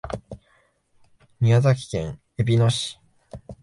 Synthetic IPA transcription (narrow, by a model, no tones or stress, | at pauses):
ɲʲiazak̬ʲi̥kẽ̞ŋ̃ | e̞bʲino̞ɕi̥